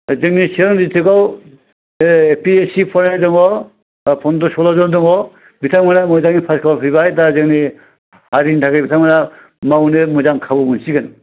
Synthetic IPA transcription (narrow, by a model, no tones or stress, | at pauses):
zɯŋniseɾɔŋditʰɯkɔw | epʰiesipʰɔɾnajdɔŋɔ | pʰɔndɔsɔlɔzɔndɔŋɡɔ | bitʰaŋmanamɔjzaŋnipʰaskʰaɔpʰiβajtazɯŋni | haɾintʰakɯjbitʰaŋmana | mawnemɔjzaŋkʰabɔmunsiɡɯn